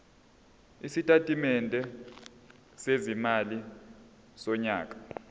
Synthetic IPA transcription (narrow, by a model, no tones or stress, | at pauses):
isitʼatʼimɛntʼɛ | sezimali | sɔɲaːk̬ʼḁ